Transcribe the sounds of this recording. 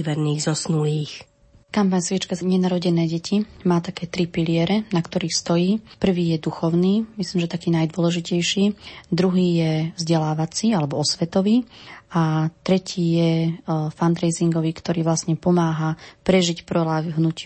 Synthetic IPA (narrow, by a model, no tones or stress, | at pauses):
ʋɛɾniːɣzɔsnuliːx | kampaɲsʋit͡ʃkazɲɛnaɾɔɟɛnɛːɟɛcʰimaːt̪akɛːt̪ɾipilɪɛɾɛnakt̪ɔɾiːxst̪ɔjiːpr̩ʋiːjɛd̪uxɔʊniːmisliːmʒɛt̪akiːnajd̪ʊɔlɛʒicɛjʃiːd̪ɾuɦiːjɛvzɟɛlaːʋat͡siːalɛbɔɔsʋɛt̪ɔʋiːʔat̪ɾɛcʰiːjɛfand̪ɾɛjziŋɡɔʋiːkt̪ɔɾiːʋlasɲɛpɔmaːɦapɾɛʒicpɾɔlaːɦnuc